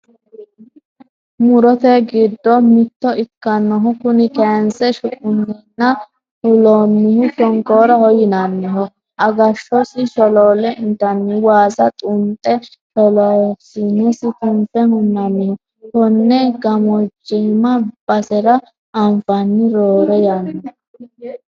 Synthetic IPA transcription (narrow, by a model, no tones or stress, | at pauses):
mʊɾɔt̪ɛɡɪd̪ːɔmɪt̪ːɔɪkːɐnːɔɦʊkʊnɪkɛnsɛʃʊkʼʊnːɪnːɐ | hʊlonːɪhʊʃɔŋkoːɾɐhɔjɪnɐnːɪɦɔ | ʔɐɡɐʃɔsɪʃɔloːlɛʔɪnt̪ːɐnːɪwaːzɐt̪ʼʊnt̪ʼːɛ | tɔlɔsinɛsɪt̪ʼʊmpʼːɛhʊnːɐmɪhʊ | hɔnːɛɡɐmɔd͡ʒːɛmɐb̥ɐsɛɾɐ | ʔɐmfɐnːɪɾoːɾɛjanːɔ